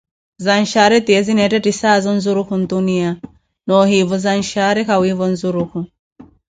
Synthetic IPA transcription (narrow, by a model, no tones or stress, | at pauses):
zan̩ʃaɾɛtiɛzinɛtɛtisazɔn̩zuɾuhun̩dunia | nɔhivɔzan̩ʃaɾɛkawivɔn̩zuɾuhu